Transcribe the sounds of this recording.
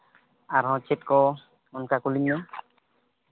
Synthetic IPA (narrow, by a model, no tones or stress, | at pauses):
aɾɦɔ̃t͡ʃit̪̚kɔ | ɔnkakuliɲːɔ